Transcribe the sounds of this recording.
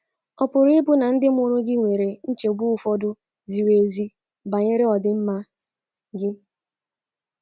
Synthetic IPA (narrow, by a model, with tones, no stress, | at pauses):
ɔ˦pʊ˨ɾʊ˦ɪ˦bʊ˦na˨n̩˦dɪ˦m̩˦ʊ˦ɾʊ˦ɡɪ˦ŋʷe˨ɾe˨n̩˦t͡ʃe˨ɡ͡bu˦˨fɔ˦dʊ˦ | zi˨we˨zi˦ | ba˨ɲe˦ɾɪ˦ɔ˨dɪ˨m̩˦ma˦ | ɡɪ˦